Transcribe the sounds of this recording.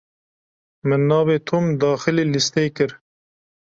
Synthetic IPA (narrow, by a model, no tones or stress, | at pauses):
mɨnːɑːveːt̪ʰoːmd̪ɑːxɨleːlist̪eːkɨɾ